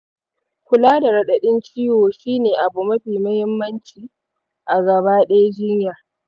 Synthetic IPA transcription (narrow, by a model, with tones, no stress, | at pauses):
kʷʊ˨laː˦da˨ɽɐ˦ɗɐ˨ɗɪ˦nt͡ʃiː˦woː˨ʃiː˦neː˨ʔa˨bu˨mɐ˦ɸiː˨mɐ˦hɪ˦mːɐ˦nt͡ʃiː˨ | ʔa˨ɡɐ˨baː˦ɗɐ˦ja˦d͡ʒɪ˦ɲjaː˨